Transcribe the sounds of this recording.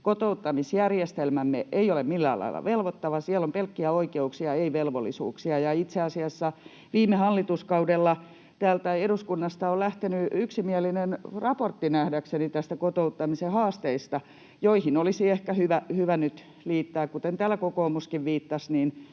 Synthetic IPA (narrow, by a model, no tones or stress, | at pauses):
kot̪out̪ːɑmisjærjest̪elmæmːeeiolemmilːæ̰ːlɑ̰ḭlɑ̰ʋelʋot̪ːɑʋɑsiælompelkːiæoikeuksiɑeiʋelʋolːˑisṵːksiɑjɑit̪seɑsiɑsːɑ | ʋiːmːehɑlːit̪uskɑudelːɑ | t̪æːlt̪æeɾuskunːɑst̪ɑolæht̪enyyksimiælinenrɑport̪ːinæhdæksenit̪æst̪ækot̪out̪ːɑmisehɑːst̪eist̪ɑ | joihinolisiehkæhyʋæhyʋænyt̪ | liːt̪ːæːkkut̪ent̪æːlækokoːmuskiʋʋiːt̪ːɑsniːn